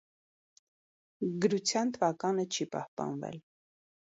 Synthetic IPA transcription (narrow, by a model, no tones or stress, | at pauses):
ɡəɾut͡sʰjɑnt̪ʰəvɑkɑnət͡ʃʰipɑhpɑ̰nvɛ̰l